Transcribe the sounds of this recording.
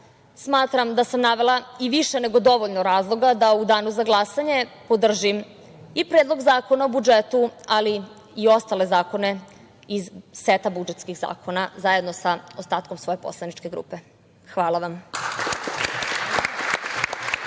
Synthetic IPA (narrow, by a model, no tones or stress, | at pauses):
smaːt̪ɾamd̪asamnaʋe̞laiʋiʃene̞ɡo̞d̪o̞ʋoʎnoɾaːzlˠo̞ɡad̪aud̪aːnuzaɡlˠasaɲe̞po̞d̪r̩ʒim | ipɾed̪lˠoɡzaːko̞naobud͡ʒet̪uali | io̞st̪ale̞zaːko̞ne̞ | izseːt̪abud͡ʒet̪skiɣza̰ːkʰo̞nazaje̞d̪nosaost̪aːt̪komsʋo̞jepo̰slˠanit͡ʃke̞ɡɾṵːpe̞ | xʋaːlˠaʋam